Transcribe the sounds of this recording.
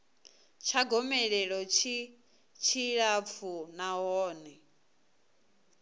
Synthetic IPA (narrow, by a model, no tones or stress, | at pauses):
t͡ʃʰaɡɔmɛɺɛɺɔt͡ʃʰi | t͡ʃʰiɺap̪fʰunaɦɔːnɛ